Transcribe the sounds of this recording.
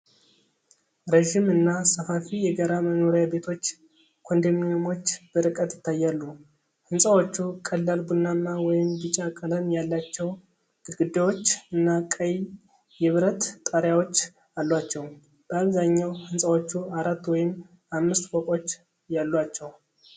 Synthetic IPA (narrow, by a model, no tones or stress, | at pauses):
ɾəʒimɨnːasəfafijɛɡəɾaməno̞ɾjabe̞t̪ʰo̞t͡ʃː | kʰo̞nd̪emiomo̞t͡ʃːb̥əɾɨkʼət̪jɪt̪ʰːajːalːu | hɨnsʼəwo̞t͡ʃːukʼəlːalbunːanːawɔjɪmd̪ɨt͡ʃʼakʼələmjalːat͡ʃːɛw | ɡ̥ɨɡɨd̪ːewo̞t͡ʃːɨnːakʼəj | jɛβɨɾət̪t̪ʼəɾjawo̞t͡ʃː | alːat͡ʃːɛw | b̥əaβzaɲːawhɨnsʼəwo̞t͡ʃːuaɾat̪ːwɔjɪm | amːɨst̪fokʼo̞t͡ʃː | jalːwat͡ʃːɛw